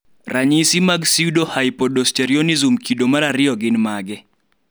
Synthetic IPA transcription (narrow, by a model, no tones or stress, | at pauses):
rʔaɲisimaɡsiudohaɪpɔdɔsteɾiɔnizumkʰidomaɾaɾɪjɔɡɪnmaɡɛ